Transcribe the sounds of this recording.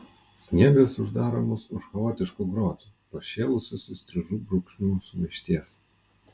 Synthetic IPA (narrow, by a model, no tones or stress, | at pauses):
sʲnʲiɛbʲeːsʊʒd̪ɑːɾoːmoːsʊʃxɐoːt̪ʲɪʃkuɡɾoːt̪uːpoʃʲeːlˠʊsʲosʲɪsʲt̪ʲɾʲɪʒuːbɾʊkʃʲnʲuːsʊmʲɪʃʲt̪ʲiɛs